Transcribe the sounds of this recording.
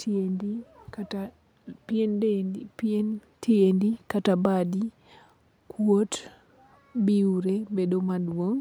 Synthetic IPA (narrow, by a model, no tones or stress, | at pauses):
tiendikata | piennpen | tʰiendikatabadi | kʰwot | biuɾebedomadwoŋ